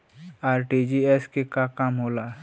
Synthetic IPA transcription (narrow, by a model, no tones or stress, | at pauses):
aːɾʈid͡ʒiɛskekakamɦola